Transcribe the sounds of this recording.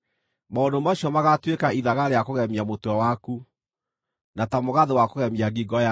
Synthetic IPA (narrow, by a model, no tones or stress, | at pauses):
maondomaɕɔmaɣatwekaiðaɣaɾeakoɣɛmiamotwɔwaku | natamoɣaðewakoɣɛmiaɡiɡɔja